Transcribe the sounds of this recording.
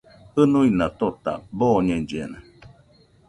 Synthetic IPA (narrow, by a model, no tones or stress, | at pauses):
ɯnuinat̪ot̪a̰boːɲẽɲd͡ʒena